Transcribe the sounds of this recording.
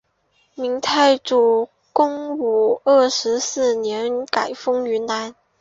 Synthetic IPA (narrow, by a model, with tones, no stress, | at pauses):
mi˧˥ŋt̪ʰa˥˧ɪʈ͡ʂu˨˩ | kʊ˥ŋu˨˩ə˥˩ʂɻ̩˧˥sɹ̩˥˩njɛ˧˥nka˨˩ɪfɤ˥ŋy˧˥na˧˥n